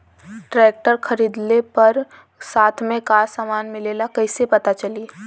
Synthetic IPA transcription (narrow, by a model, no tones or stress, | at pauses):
ʈɾeːk̚ʈəɾkʰɐɾiːd̪lepɐɾ | saːt̪ʰmẽkaːsaːmaːnmɪleːlakɐɪsepɐt̪at͡ʃɐliː